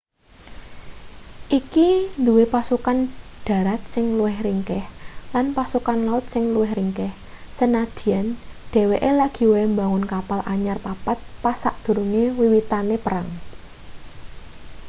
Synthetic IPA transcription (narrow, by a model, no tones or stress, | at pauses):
ʔikind̪uwepasukanɖ̥ä̤ɾat̪̚sɪŋluwɪhriŋkɛhlanpasukanlaʊt̪̚sɪŋluɛhriŋkɛh | sənad̪̥i̤anɖ̪̥e̤weʔelaɡ̥i̤wemba̤ŋʊnkapalʔaɲarpapat̪̚pasaʔd̪̥ṳɾuŋewiwit̪anepəɾaŋ